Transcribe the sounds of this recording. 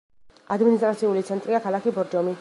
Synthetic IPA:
ad̪minist̪ʼɾat̪sʰiulit̪sʰɛnt̪ʼɾiakʰalakibɔɾd͡ʒɔmi

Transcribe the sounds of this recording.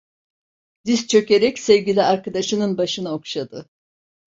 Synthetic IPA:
d̪ist͡ʃʰø̞ce̞ɾɛcsɛvɟʲilʲiaɾkad̪aʃɯnɯnbaʃɯnaokʃad̪ɯ

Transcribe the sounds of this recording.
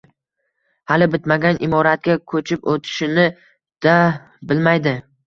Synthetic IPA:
halɪbɪt̪maɡʲanʔɪmɒɾat̪̚kʲakʰɵt͡ʃʰɪpot̪ʰɪ̥ʃɪnɪ | d̪̥a | bɪlmajd̪ɪ

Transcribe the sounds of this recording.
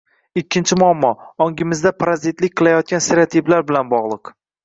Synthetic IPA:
ɪkʲʰːɪnt͡ʃʰɪmʊamːɒɒŋɡʲɪmɪzd̪apʰɾazit̪lɪk̚ʲqʰɨlˠajɒt̪̚kʲanseɾat̪ʰiblaɾbɪlanbɒʁlˠɨq

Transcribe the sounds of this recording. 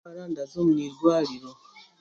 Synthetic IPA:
aɾandazomuniɾɡwaːɾiɾo

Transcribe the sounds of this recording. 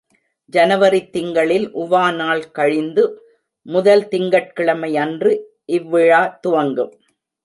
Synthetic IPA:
d͡ʒɐnɐʋɐɾit̪ːɪŋɡɐɭɪlʔʊʋaːnaːɭkɐɻɪnd̪ɯ | mʊðɐlt̪ɪŋɡɐʈ̚kɪɭɐmɐɪɐndrɯ | ʔɪʋːɪɻaːt̪ʊʋɐŋɡɯm

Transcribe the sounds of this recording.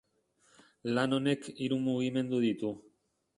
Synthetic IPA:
lano̞ne̞kiɾumuɣ̞ime̞nd̪uð̞it̪u

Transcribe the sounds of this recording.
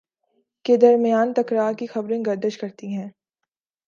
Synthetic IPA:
ked̪ɐɾmɪjaːnt̪ɐkɾaːɾkixɐbɾẽɡɐɾd̪əʃkɐɾt̪iɦɛ̃ː

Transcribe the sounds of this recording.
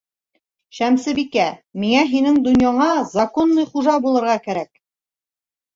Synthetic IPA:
ʃæmsɘbikæmiŋæɦinɘŋd̪ɵ̆njɑɴɑzɑkonːɤjχuʒɑbulˠɤ̆ɾʁɑkæɾæk̚

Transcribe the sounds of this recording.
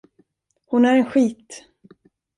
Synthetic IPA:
hʊnæɾɛnɧiːt̪

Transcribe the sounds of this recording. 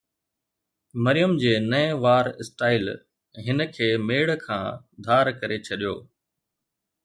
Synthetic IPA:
mɐɾɪjəmd͡ʑeːnɐɪ̃ʋaːɾɪsʈaːɪl | ɦɪnə̆kʰeːmeːɽkʰã̰ː | d̪ʱaːɾkɐɾet͡ɕʰɐɗijo̰ː

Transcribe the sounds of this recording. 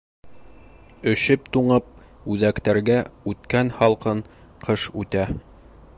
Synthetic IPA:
ɵ̆ɕɘpt̪uɴɤp̚ | ʉðækt̪æɾɡæʉt̪kænhɒlˠqɤn | qʰɤʃʉt̪æ

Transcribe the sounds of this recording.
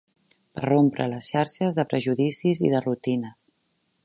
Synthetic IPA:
pə̰rompɾʔə̰ləsʃaɾʃəzðəpɾəʒuðisizḭðərut̪inəs

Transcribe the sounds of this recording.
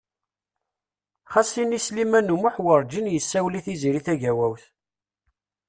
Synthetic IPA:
χæsinislimænumuħwəɾˤd͡ʒinjəsːæwliθiziɾiθæʝæwæwθ

